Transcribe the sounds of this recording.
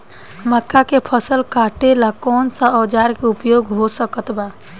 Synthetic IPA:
məkːakepʰəsəlkaʈelakɔnsə̃əd͡ʒaɾkeupjoɡɦosəkət̪ba

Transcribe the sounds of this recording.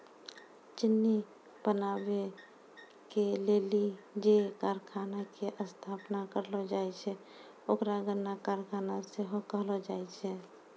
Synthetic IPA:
t͡ʃinːi | b̥ənabe | kelelid͡ʒekaɾkʰanakeʔəst̪ʰapnakəɾlɔd͡ʒaɛt͡ʃʰɛ | okɾaɡəɾnakaɾkʰanaseɦokəɦlɔd͡ʒaɛt͡ʃʰɛ

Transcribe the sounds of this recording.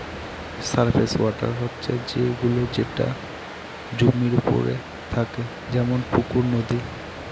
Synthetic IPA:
saɾpʰeswaʈa̰ɾɦɔtːʃʰed͡ʑeɡulod͡ʑeʈa̰ | d͡ʑomiɾupo̰ɾḛ | t̪ʰake | d͡ʑɛmonpukuɾnod̪i

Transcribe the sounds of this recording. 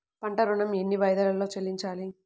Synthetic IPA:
pɐɳʈɐɾunɐmenːiʋɐjd̪ɐlɐlːoːt͡ʃelːiɲt͡ʃaːli

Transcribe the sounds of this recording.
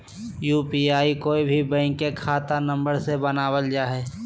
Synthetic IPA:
juːpiːaːikoːibʱibɛ̃ːŋkːekʰaːt̪anə̃mbəɾsebɐnaːwəld͡ʒaːɦɛː

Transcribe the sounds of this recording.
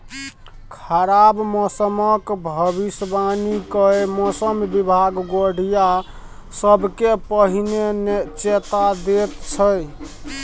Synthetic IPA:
kʰəɾabmɔsəməkbʱəβisbanikəemɔsəmbibʱaɡɡoɽ̤ʱija | səbkepəɦinenet͡ʃet̪ad̪et̪t͡ʃʰəj

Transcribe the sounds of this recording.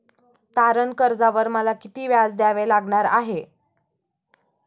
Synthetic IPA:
t̪aɾənkəɾd͡zaʋəɾməlakit̪iːʋjad͡zd̪jaʋelaɡɳaɾaɦe

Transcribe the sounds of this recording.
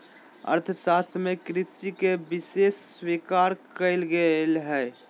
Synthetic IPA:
ə̰ɾt̪ʰəsast̪əmekɾit͡ʃikebisesswikaɾkəɪlɡelɦɛ

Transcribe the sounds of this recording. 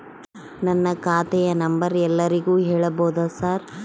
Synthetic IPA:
nɐnːɐkaːt̪ɛjɐnɐmbɐɾɛlːɐɾiɡuːɦɛːɭɐboːd̪ɐsaːɾ

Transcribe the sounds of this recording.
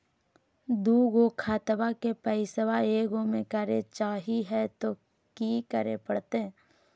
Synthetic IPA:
d̪uːɡokʰaːt̪ʋakepəɪsəʋaeːɡõmẽkəɾet͡ʃaːɦiɦɛt̪o | kikəɾḛpəɽt̪e

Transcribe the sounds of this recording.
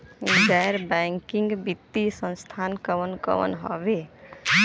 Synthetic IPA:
d͡ʒaɾbɛŋkiŋɡbit̪ːisə̃nst̪ʰankəwənkə̰wə̰nɦɔ̰be

